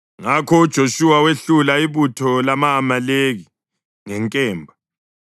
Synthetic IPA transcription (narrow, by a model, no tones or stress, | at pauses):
ŋakʰɔud̥ʒ̥ʱoʃuwaweɬulaiβutʰɔlamaːmaleɣi | ŋɛŋkʼɛːmbʱa